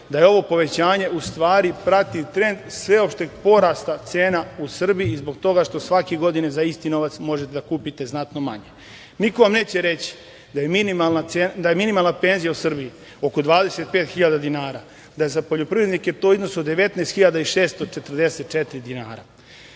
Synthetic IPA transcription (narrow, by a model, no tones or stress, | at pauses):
d̪ajeo̞ʋo̞po̞ʋe̞t͡ɕaːɲe̞ʔust̪ʋaːɾipɾat̪it̪ɾe̞nd̪sʋe̞o̞pʃt̪eɡpo̞ɾaːst̪at̪seːnausr̩bijiːzbo̞ɡt̪o̞ɡaʃt̪o̞sʋakeɡo̞d̪inezaist̪ino̞ʋat̪smo̞ʒet̪ed̪akuːpit̪e̞znat̪noma̰ɲe | niko̞ʋamne̞ːt͡ɕeɾe̞t͡ɕi̥ | d̪ajeminimalnaed̪ajeminimalˠnape̞ːnzijausr̩biji | o̞ko̞d̪ʋaːd̪e̞se̞t̪̚pe̞ːt̪xiʎad̪ad̪inaːɾa | d̪ajezapoʎo̞pɾiɾed̪niket̪o̞izno̞sod̪e̞ʋe̞t̪naːst̪xiʎad̪aiʃeːst̪o̞t͡ʃe̞t̪r̩d̪e̞se̞t̪̚t͡ʃet̪iɾid̪ina̰ːɾa̰